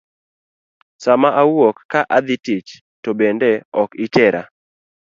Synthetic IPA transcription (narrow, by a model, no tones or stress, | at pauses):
samaʔawokːaʔad̪ɪtit͡ʃ | tobendeɔkɪtɛɾʔa̰